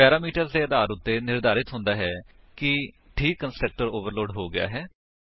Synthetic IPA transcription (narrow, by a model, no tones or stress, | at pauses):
pɛːɾaːmiːʈəɾzd̪eːəd̪aːɾʊt̪ːeːnɪɾd̪aːɾɪt̪ɦʊ̃nd̪aːɦɛː | kɪ | ʈʰiːkːənsʈək̚ʈəɾoːʋəɾloːɖɦoːɡɪa̰ːɦɛː